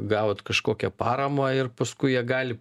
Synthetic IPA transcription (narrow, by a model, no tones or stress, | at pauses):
ɡɑːʋot̪kɐʃkoːkʲɛpɑːɾɐmɑːɪrpɐskʊɪjiɛɡɑːlʲɪ